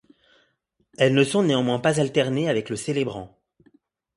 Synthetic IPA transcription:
ɛlnəsɔ̃neɑ̃mwɛ̃pazalt̪ɛʁneavɛkləselebʁɑ̃

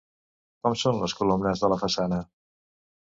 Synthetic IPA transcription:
kɔmsonləskulumnəzðələfəsanə

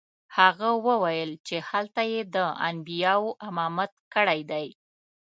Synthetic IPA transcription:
haɣawəwajəlt͡ʃehalt̪ajed̪əa̰nbijɑwoʔamɑmat̪kəɽajd̪aj

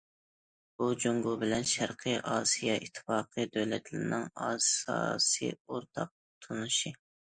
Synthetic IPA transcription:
b̥ud͡ʒoŋɡubɪlɛnʃæɾqʰɨʔɑːsijɑʔit̪ʰːɨ̥fɑːqʰɨd̪øwlɛt̪ʰlɪɾnɪŋɑːsɑ̰ːsɨ̰oɾt̪ʰɑq̚ | t̪ʰonuʃi

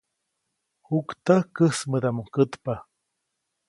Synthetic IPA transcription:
hukt̪akəsməd̪amuŋkət̪pa

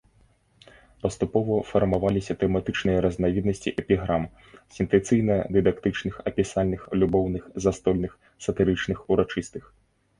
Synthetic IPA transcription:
pɐst̪upɔvɐfɐrmavalʲisʲɐt̪ɛmat̪ɨt͡ʂnɨjɐɾɐznavʲid̪nɐsʲt͡sʲiʔɛpʲiɣɾam | sʲɛnt̪ɛt̪sɨjnɐɐd̪ɨd̪akt̪ɨt͡ʂnɨxɐpʲisalʲnɨxlʲubɔwnɨxzast̪ɔlʲnɨx | sɐt̪ɨɾɨt͡ʂnɨxuɾat͡ʂɨst̪ɨx

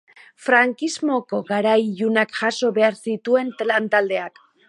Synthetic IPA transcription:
fɾaŋkizmo̞ko̞ɣaɾajʎunakʝaso̞βe̞aɾsit̪ue̞nt̪lant̪ald̪e̞ak

